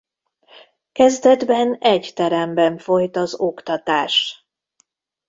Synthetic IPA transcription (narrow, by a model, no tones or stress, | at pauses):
kɛzd̪ɛd̪bɛnɛɟt̪ɛɾɛmbɛɱfo̞jt̪ɒzo̞kt̪ɒt̪aːʃ